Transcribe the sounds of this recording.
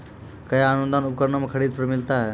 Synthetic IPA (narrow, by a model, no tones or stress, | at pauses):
kɐjaaːnũnd̪aːnʊkəɾnomẽkʰəɽiːd̪̚pɾmɪlt̪aɦɛː